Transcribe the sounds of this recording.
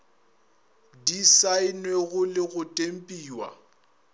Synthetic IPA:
disaɪnweɣʊlɪɣʊtʼem̩pʼiːwa̰

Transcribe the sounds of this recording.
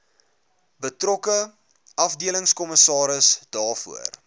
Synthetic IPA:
bətrɔkə | ʔɐfdiələŋskɔməsɑːɾəsdɑːrfṵər

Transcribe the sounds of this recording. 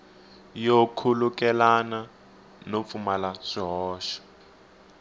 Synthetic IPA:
jokʰulukɛlana | nop̪fumalaʂiɦɔːʃɔ̥

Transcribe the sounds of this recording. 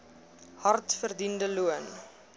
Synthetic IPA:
hɐrtfərdindəluən

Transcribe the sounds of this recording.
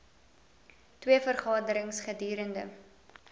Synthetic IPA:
twiəfərχɑːdəɾəŋsχədyːɾəndə̰

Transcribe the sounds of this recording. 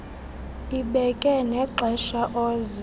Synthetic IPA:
iɓɛkʼɛnɛǃʱɛʃaʔɔːzɛ

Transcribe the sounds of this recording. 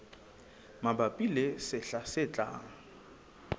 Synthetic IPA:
mabapʼilɛsɪɬasɪt͡ɬʼa̰ːŋ̩

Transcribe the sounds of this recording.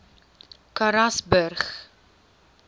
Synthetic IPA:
kaɾɐsbərχ

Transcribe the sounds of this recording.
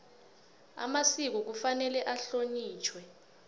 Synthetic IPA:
a̰masik̬uk̬ufanɛlɛʔaɬoɲiːt͡ʃʰwɛ

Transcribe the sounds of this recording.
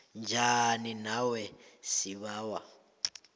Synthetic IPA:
nd͡ʒʱaninawɛsiɓaːwa

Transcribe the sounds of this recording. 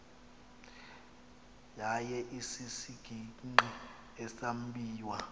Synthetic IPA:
jajɛʔisisiɡ̥ʱiŋ͡ǃi | ɛsam̩ɓʱiːwa

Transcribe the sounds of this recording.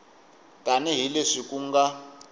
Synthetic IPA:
tʼanɛɦileʂikʼuŋɡa

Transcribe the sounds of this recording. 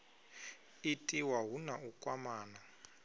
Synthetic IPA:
itʼiwaɦunaukʼwamaːna

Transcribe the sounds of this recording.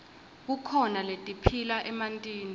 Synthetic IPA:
k̬ukʰɔnaletʼipʰilaʔɛmantʼiːn

